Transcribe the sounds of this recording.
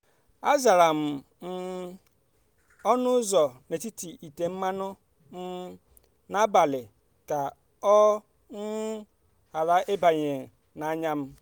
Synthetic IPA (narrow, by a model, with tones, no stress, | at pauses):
a˦za˨ɾa˨m̩˨ | n̩˦ | ɔ˦nʊ˦zɔ˨ne˨ti˦ti˨i˨te˨m̩˦ma˦nʊ˦ | n̩˦ | na˦ba˨lɪ˨ | ka˨ | ɔ˦ | ŋ̩˦ | a˨la˦ʔe˦ba˨ɲe˨ | na˨˦ɲa˦m̩˦